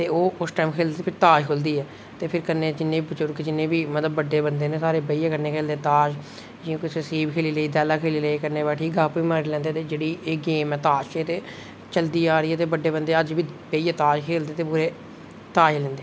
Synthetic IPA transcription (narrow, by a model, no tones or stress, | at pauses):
t̪eːoːʊsʈɛːmkʰeːld̪eːeːpʰɪɾt̪aːʃkʰʊld̪iːɛː | t̪eːpʰɪɾkəɾneːd͡ʒɪnːeːibət͡ʃʊɾkːd͡ʒɪnːeːbiːmət̪əbːəɖːeːbənd̪eːneːsaːɾeːbeːijeːkəɾneːkʰeːld̪eːt̪aːʃ | d͡ʒĩːkɪsəsiːbkʰeːliːləiːd̪ɛːlaːkʰeːliːləikəɾneːbɛːʈʰiːɡaːpʋiːmaːɾiːlɛ̃ːnd̪eːt̪eːd͡ʒeːɽiːʔeːɡeːmɛːt̪aːʃt͡ʃeːt̪eː | t͡ʃəld̪iːaːɾiːɛːt̪eːbəɖːeːbənd̪eːəd͡ʒʋiːbeːijeːt̪aːʃkʰeːld̪eːt̪eːpuːɾeː | t̪aːʃlɛ̃ːnd̪eː